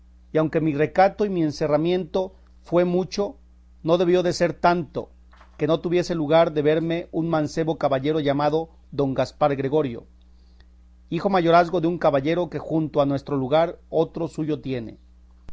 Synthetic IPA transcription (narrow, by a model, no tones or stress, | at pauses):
iawŋke̞mire̞kat̪o̞imie̞nse̞ramje̞nt̪o | fwe̞mut͡ʃo̞ | no̞ðe̞β̞jo̞ðe̞se̞ɾt̪ant̪o̞̰ | ke̞no̞t̪uβje̞seluɣaɾðe̞βe̞ɾme̞ʔunmãnse̞βo̞kaβaʝe̞ɾo̞ʝamaðo̞ | ðo̞ŋɡaspaɾɣɾe̞ɣo̞ɾjo̞̰ | ixo̞maʝo̞ɾazɣo̞ðeuŋkaβaʝe̞ɾo̞ke̞xunt̪oanwe̞st̪ɾo̞luɣaɾo̞t̪ɾo̞suʝo̞t̪je̞nḛ